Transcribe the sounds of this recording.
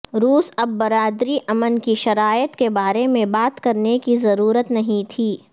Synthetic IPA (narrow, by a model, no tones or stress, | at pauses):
ɾuːsɐbːɐɾaːd̪ɾiʔɐmənkiʃɐɾaːjət̪kebaːɾemẽbaːt̪kɐɾnekizɐɾuːɾət̪nɐɦĩt̪ʰiː